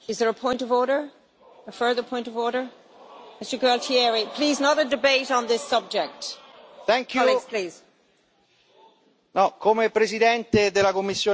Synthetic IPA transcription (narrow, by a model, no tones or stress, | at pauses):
ɪzðə˞əpʰɔ̃ɪ̃ntʌvɔːɹɾə˞ | əfɜ˞ðə˞pʰɔ̃ɪ̃ntʌvɔɹɾə˞ | mɪstəɡaltʰiɛɹipʰl̥iːznəɾədɪbeɪɾn̩ðɪsʌb̚d͡ʒɛk̚tθɛŋkʰjliz̥pʰl̥iːz̥ | nɔkʰomepɾesid̪ɛnt̪ed̪elakomːisːjoː